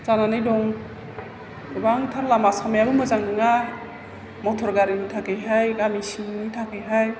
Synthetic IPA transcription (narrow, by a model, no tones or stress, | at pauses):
zananɯjdɔŋ | ibaŋtʰaɾlamasamajaɾuməzaŋɯŋa | mɔtʰɔɾɡaɾinitʰakeɦajɡamisinitʰakʰejɦaj